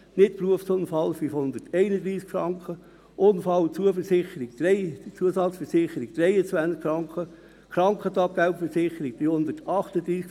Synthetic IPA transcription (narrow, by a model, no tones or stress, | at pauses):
nɪtpruəfsʊnfɑlfyfhʊnd̪ətʰɛɪnəd̪ɾiːskfɾɑŋkχə | ʔʊnfɑlt͡suəfəsɪχəɾiɡ̥̚d̥̪ɾɛɪt͡suəsɑt͡sfəɾsɪχəɾiɡ̥̚d̥ɾɛɪət͡sʋænt͡skfɾɑŋkʰə | kɾɑŋkχət̪ɑp̚ɡ̥aʊpfəsɪχəɾiɡ̚b̥ihʊnd̪ətɑχtəd̥̪ɾiːsk